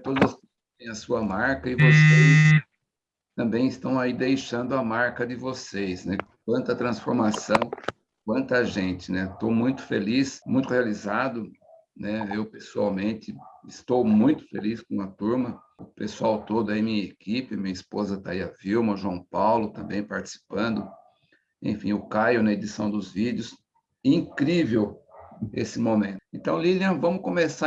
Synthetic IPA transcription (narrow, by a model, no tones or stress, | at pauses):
t̪od̪ɐzʊsk | t̪ẽj̃ɐsuɐmaɾkɐɪvosejs | t̪ɐ̃mbẽj̃ɪst̪ɐ̃w̃aid̪ejʃɐ̃nd̪ʊɐmaɾkɐd̪ɪvosejsnɛkk̚wɐ̃nt̪ɐt̪ɾɐ̃sfoɾmasɐ̃w̃ | k̚wɐ̃nt̪ɐʒẽnt̪ɪnɛt̪owmũj̃t̪ʊ̥felismũj̃t̪ʊhealizad̪ʊ | nɛewpesua̰wmẽnt̪ɪɪst̪owmũj̃t̪ʊ̥fḛliskõɐt̪uɾmɐ | ʊpesuawt̪od̪ʊɐimĩɲɐekipɪmĩɲɐispozɐt̪a̰iɐfiwmɐʒuɐ̃w̃pawlʊt̪ɐ̃mbẽj̃paɾt͡ʃi̥si̥pɐ̃nd̪ʊ | ḛ̃fḭ̃ʊkajʊnɐed̪isɐ̃w̃d̪ʊzvid͡ʒjʊs | ĩkɾivew | ḛsɪmomẽnẽnt̪ɐ̃w̃liliɐ̃vɐ̃mʊkõmesa